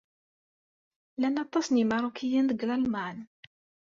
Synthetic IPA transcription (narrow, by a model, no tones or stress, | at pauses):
lænɑt̪ˤːɑsnimɑɾˤukʰijænðəɡlɑlmɑn